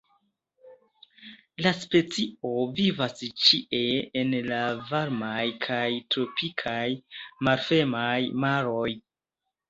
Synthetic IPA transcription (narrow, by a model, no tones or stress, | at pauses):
laspe̞t͡sio̞vivast͡ʃiʔe̞enlavaɾmajkʰajtɾo̞pikʰajmaɾfe̞majmaɾo̞j